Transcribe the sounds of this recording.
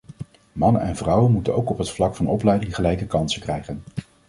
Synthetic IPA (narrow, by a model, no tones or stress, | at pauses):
mɑnənɛ̰nvrʌwənmutənowkɔpɦətflɑkfɑnɔplɛjdɪŋχəlɛjkəkɑnsəkrɛjχən